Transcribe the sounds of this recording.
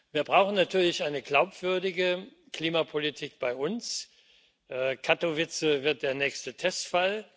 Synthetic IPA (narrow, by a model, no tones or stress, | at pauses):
viːɐbʁaʊxn̩natʰyːɐlɪçʔaɪnəɡlaʊpv̥ʏɐdɪɡə | kl̥iːmapʰolitʰiːk̚b̥aɪʔʊns | ʔɛkʰatovɪt͡səvɪɐt̚d̥eːɐnɛːçstətʰɛstfal